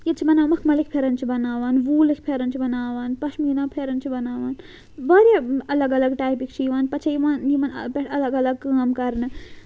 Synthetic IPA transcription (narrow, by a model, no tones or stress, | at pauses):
jet͡ʃʰibɐnaːmɐkʰmɐlikpʰeɾɐnt͡ʃʰibɐnaːʋaːnʋuːlɨkʰpʰeːɾɐnt͡ʃʰibɐnaːʋaːnpɐʃʰmiinaːpʰeːɾɐnt͡ʃʰibɐnaːʋaːn | baːɾʲjaɐlɐɡɐlɐɡʈaːjpikt͡ʃʰijiʋaːnpɐt͡ʃʰɐjiʋaːnjimɐnpʲeʈʰɐlɐɡɐlɐɡ̚kaːmkɐɾnɨ